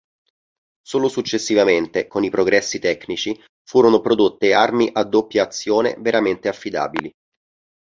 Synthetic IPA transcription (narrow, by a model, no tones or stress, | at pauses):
soːlosut͡ʃːesːivament̪ekonipɾoɡɾɛsːit̪ɛkːnit͡ʃi | fuːɾonopɾod̪ot̪ːearmiʔad̪ːopːjaːt̪sːjoːnḛveɾament̪eafːid̪a̰ːbili